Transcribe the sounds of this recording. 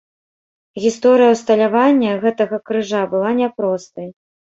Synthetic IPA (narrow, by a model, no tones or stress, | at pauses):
ɣʲist̪ɔɾɨjɐwst̪ɐlʲavanʲːɐɣɛt̪ɐɣɐkɾɨʐabɨlˠanʲɛpɾɔst̪ɐj